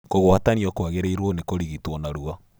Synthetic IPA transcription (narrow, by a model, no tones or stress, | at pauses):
koɣwataniɔkwaɣeɾeiɾwɔnekoɾiɣitwɔnaɾua